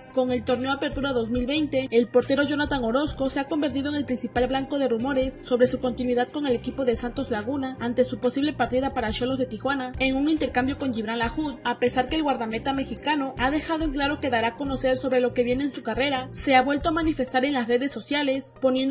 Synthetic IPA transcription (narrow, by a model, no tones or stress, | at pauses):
ko̞ŋe̞lt̪o̞ɾne̞oape̞ɾt̪uɾaðozmilβe̞jnt̪e̞ːlpo̞ɾt̪e̞ɾo̞ʝo̞nat̪aŋo̞ɾo̞sko̞se̞ako̞mbe̞ɾt̪iðoeŋe̞lpɾinsipalblaŋko̞ðe̞rumo̞ɾe̞sːo̞βɾe̞suko̞nt̪inwiðaðko̞ŋe̞le̞kipo̞ðe̞sant̪o̞zlaɣ̞unaant̪e̞supo̞siβle̞paɾt̪iðapaɾaʃolo̞zðe̞t̪ixwanae̞ŋuŋint̪e̞ɾkambjo̞ko̞nʝiβɾanlaxut̪̚ape̞saɾkeːlɣwaɾðame̞t̪ame̞xikano̞ʔaðe̞xaðoeŋklaɾo̞ke̞ðaɾako̞no̞se̞ɾso̞βɾe̞lo̞ke̞βje̞neːnsukare̞ɾase̞aβwe̞lt̪o̞amanife̞st̪aɾe̞nlasre̞ðesːo̞sjale̞spo̞njend